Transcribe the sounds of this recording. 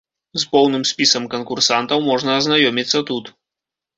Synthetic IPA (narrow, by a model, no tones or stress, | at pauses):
zpɔwnɨmsʲpʲisɐmkɐnkursant̪ɐwmɔʐnɐːznajɔmʲit̪sːɐt̪ut̪